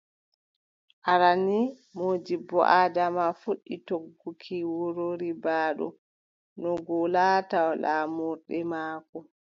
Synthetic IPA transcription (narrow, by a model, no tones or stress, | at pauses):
ʔaɾani | moːd͡ʒibɔ̰ʔadamafuɗːitoɡːukʰiwoɾoɾibaːɗɔ̰ | nɔɡɔlaːtawlaːmuɾɗɛmaːkɔ